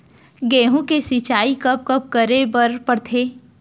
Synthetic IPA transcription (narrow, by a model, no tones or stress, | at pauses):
ɡɛ̃ːɦũkesit͡ʃaːikɐp̚kɐp̚kəɾebɐɾpəɽt̪ʰeː